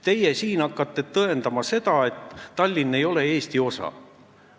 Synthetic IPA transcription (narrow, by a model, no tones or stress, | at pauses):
t̪e̞jesiːnɑkːˑɑt̪ːˑe̞t̪ɤe̞nd̪̥ɑmɑse̞d̪ɑe̞t̪ːɑlʲːinːe̞jo̞le̞e̞ːst̪io̞sɑ̰